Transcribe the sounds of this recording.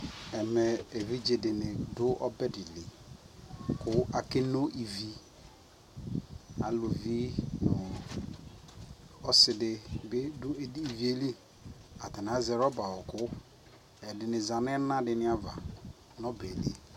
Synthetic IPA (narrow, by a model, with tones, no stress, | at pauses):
ɛ˨me˨e˨vi˦d͡ʒe˨de˨nɪ˨dʊ˦ʔɔ˦bɛ˦di˨li˨ | kʊ˦a˨ke˦no˦ʔi˨vi˦ | a˨lu˨vi˦no˨ | ɔ˦sɪ˨dɪ˨bɪ˦dʊ˦i˨vi˦e˦li˦ | a˨te˨n˨a˨zɛ˨ɾɔ˦ba˨wɔ˨kʊ˦ | ɛ˨dɪ˨nɪ˨za˨nɛ˦na˦dɪ˨nɪ˦a˦va̰˨ | nɔ˦be˨lḭ˦